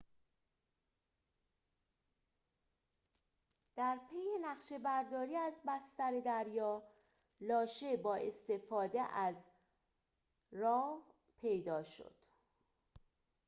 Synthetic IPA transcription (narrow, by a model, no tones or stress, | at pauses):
d̪̥æɾpʰejenæχʃe̞bæɾd̪ɒːɾiːæzbæst̪æɾe̞d̪æɾjɒː | lɒːʃe̞bɒːʔe̞st̪e̞fɒːd̪eʔæz | rɒː | pʰe̞jd̪ɒːʃo̰d̪̥